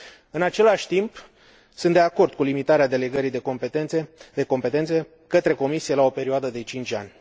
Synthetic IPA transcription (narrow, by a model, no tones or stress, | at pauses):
ɨnat͡ʃe̞laʃʲt̪imp | sɨ̃nt̪d̪eako̞rd̪̥̚kulimit̪aɾead̪e̞le̞ɡəɾijd̪eopeed̪e̞ko̞mpe̞t̪ense | kət̪ɾe̞ko̞misije̞lao̞pe̞ɾioad̪əd̪e̞t͡ʃint͡ʃʲa̰nʲ